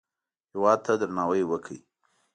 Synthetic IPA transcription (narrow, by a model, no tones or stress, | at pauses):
hɪwɑd̪̚t̪ʰad̪ɾanɑwəjwəkʰəi